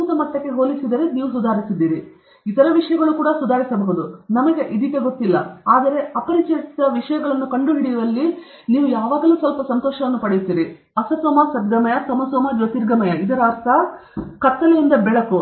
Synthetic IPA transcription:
uːt̪ɐmɐʈːɐkːe̞ɦoːlisid̪ɐɾeniːʋusud̪ʱaːɾisid̪ːiːɾi | it̪ɐɾɐʋiʂɐjɐɡɐɭukuːɽɐsud̪ʱaːɾisɐbɐɦud̪unɐmɐɡe̞ʔid̪ikːeɡot̪ːilːɐ̰aːd̪ɐɾe̞ɐpɐɾit͡ʃɐɾisd̪ɐʋiʂɐjɐɡɐɭɐnːukɐɳɖuɦiɽijɐɾɐlːi | niːʋujaːʋaːɡɐluːsʋɐlpɐsɐnt̪ɔːʃɐʋɐnːupɐɽejut̪ːiːɾi | ɐsɐsʋɔmasɐd̪̚ɡɐmɐjɐsɐmɐsɔmɐd͡ʒɐt̪iːɾɡɐmɐjɐid̪ɐɾaːɾt̪ʰɐkɐt̪ːɐlejind̪ɐbɛɭɐku

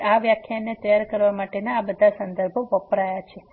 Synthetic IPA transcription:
aʋjakʰjanet̪əjaɾkəɾʋamaʈenaːbəd̪ʱasənd̪əɾbʱoʋəpɾajat͡ʃʰe

